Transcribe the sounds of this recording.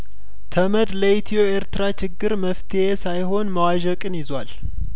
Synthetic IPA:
t̪ʰəməd̪ləit̪ʰijo̞eɾt̪ɨɾat͡ʃɪɡːɨɾməft̪ʰeesajɦo̞nməwaʒəkʼɨnjɪzwal

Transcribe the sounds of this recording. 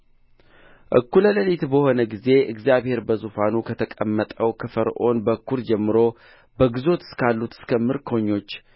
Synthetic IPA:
ʔɨ̰kːulələlit̪bəho̞nəɡize̞ʔɨɡzjaβhe̞ɾbəzufanukʰət̪ʰəkʼəmːət̪ʼəwkʰɨfəɾʔo̞nbəkʰːuɾd͡ʒɛmːɨɾo̞ | bəɡɨzo̞t̪ɨ̥skʰalːut̪ɨ̥skʰəmɨɾkʰo̞ɲːo̞t͡ʃː

